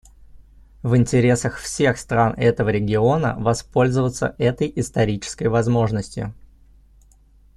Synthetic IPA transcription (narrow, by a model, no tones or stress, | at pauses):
vɨnʲtʲɪɾʲe̞səxfsʲe̞xst̪ɾanɛt̪əvəɾʲɪɡʲɪo̞nə̰vɐspo̞lʲzəvət̪sə̰ʔɛt̪əjɪst̪ɐɾʲit͡ɕɪ̥skəjvɐzmo̞ʐnəsʲtʲɪ̰